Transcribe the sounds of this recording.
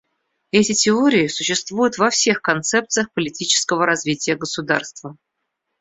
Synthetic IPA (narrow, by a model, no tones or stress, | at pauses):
ɛtʲɪtʲɪoɾʲɪɪsʊɕːɪst̪vujʊt̪vɐfsʲe̞xkɐnt̪sɛp̚t̪sɨjəxpəlʲɪtʲit͡ɕɪ̥skəvəɾɐzvʲitʲɪjəɡəsud̪a̰rst̪və